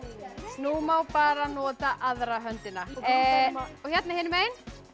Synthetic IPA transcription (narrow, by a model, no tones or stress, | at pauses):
numawpaːɾanɔːt̪aʔaðɾaɦœnt̪ɪnːa | ɔçjɛt̪nahɪːnʏmeːjn